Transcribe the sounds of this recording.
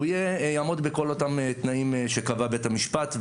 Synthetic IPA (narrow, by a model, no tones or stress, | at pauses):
ijejaːmo̞d̪beko̞lo̞t̪amet̪naimʃekavabe̞tamiʃpat̪